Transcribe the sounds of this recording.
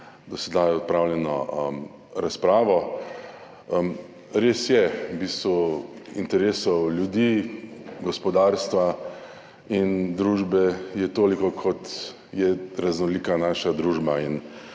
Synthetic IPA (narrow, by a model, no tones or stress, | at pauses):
d̪ɔsɛd̪ajɔt̪̚pɾaːwljɛnɔ̰m | ɾaspɾaːʋɔ | m | ɾeːsjɛbiːst̪ʋuḭnt̪ɛɾeːsɔwljud̪i | ɡɔspɔd̪aːɾst̪ʋa | ind̪ɾuːʒbɛjɛt̪oːlikɔkʰɔt̪ | jɛɾaznɔliːkanaːʃad̪ɾuːʒbain